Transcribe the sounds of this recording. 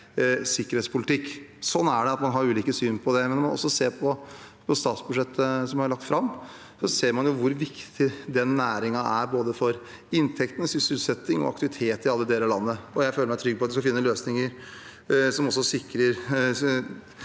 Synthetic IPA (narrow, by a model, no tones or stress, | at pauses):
sɪkːəɾeːt̪spʰʊlɪt̪ʰɪkːsɔnːæɖɛɑt̪mɑnɦɑɾʉːliːkəsyːnpʰɔd̪ɛmɛnmɔnɔ̰sːɔseːɾpʰɔpʰɔst̪ɑːt̪sbʉʂɛt̪ʰːəsɔmhɑɾɭɑk̚t̪fɾɑmː | sɔseːɾmɑnjʊʋʊɾʋɪkt̪ʰɪd̪ɛnːæːɾɪŋɑʔæɾboːd̪əfɔɾ | ɪnːt̪ʰɛkt̪ənəsʏsɪlsɛt̪ːɪŋɔ̰ɑkt̪ɪʋɪt̪ʰeːt̪ɪɑlːəd̪eːləlɑnːəɔjæɪføːləmæɪt̪ʰɾʏɡ̚pʰɔɑt̪ʋɪskɑfɪnːəløːsnɪŋəɾ | sɔmɔsːɔsɪkɾəɾ